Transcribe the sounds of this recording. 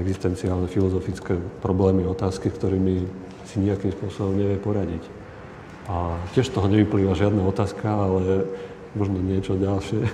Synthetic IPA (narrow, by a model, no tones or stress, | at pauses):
ɛɡzist̪ɛnt͡siaːlnɛfilɔzɔfit͡skɛpɾɔblɛːmiɔt̪aːskiskt̪ɔɾiːmi | siɲiakimspʊɔsɔbɔmɲɛʋɪjɛpɔɾaɟic | ʔacɪɛʃt̪ɔɦɔɲɛʋipliːʋaʒɪad̪naɔt̪aːskaalɛ | mɔʒnɔɲɪɛt͡ʃɔɟalʃɪɛ